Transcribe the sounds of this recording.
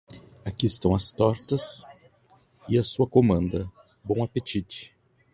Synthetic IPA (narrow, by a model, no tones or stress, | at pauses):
akiɪst̪ɐ̃w̃ɐst̪ɔɾt̪ɐs | ɪɐsuɐkomɐ̃nd̪ɐ | bõw̃apet͡ʃit͡ʃɪ̥